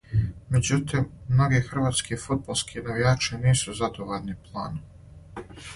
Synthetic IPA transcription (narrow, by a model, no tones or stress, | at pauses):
me̞d͡ʑut̪imːno̞ɡexr̩ʋaːt̪skifud̪̚bolˠskʰinaʋijaːt͡ʃeniːsuzad̪oʋolniplˠa̰ːnu